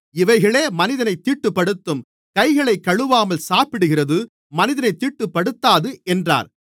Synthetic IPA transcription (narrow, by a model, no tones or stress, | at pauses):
ɪʋɐɪɣɐɭeːmɐnɪðɐnɐɪt̪ːiːʈːɯpːɐɽɯt̪ːɯm | kɐɪɣɐɭɐɪkːɐɻɯʋaːmɐlsaːpɪɽɯɣɪrɐðɯ | mɐnɪðɐnɐɪt̪ːiːʈːɯpːɐɽɯt̪ːaːðɯʔɛndra̰ːɾ